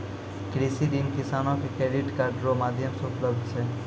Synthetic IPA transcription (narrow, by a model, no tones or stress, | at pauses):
kɾisid̪inkisaːnokekeɾiʈkaɖɾomaːd̪ʱjəmsupləbd̪ʱt͡ʃʰe